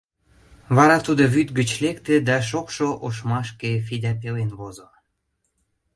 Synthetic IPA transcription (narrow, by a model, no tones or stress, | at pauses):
βɑɾɑt̪ud̪oβyt̪ɡət͡ɕlekt̪ed̪æʃ̬okʃoʔoʃmɑʃkefid̪ʲæpelenβozo